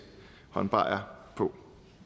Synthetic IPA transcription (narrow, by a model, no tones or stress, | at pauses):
hɒ̽nb̥ʁɑ̰̈ɐpʰɔ̽